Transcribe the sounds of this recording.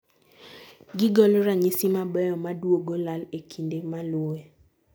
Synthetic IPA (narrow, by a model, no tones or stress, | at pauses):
ɡɪɡɔlɾaɲisimabɛjɔmadwoɡolalekʰindemalʊe